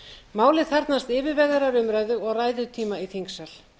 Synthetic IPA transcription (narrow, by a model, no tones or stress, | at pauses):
maːwlɪθɛɾt̪nast̪ɪːvɪɾvɛɣðɛɾaɾʏmɾaːjðʏɣɔɣraːjðʏt̪ʰiːmaiθiŋksɛl̥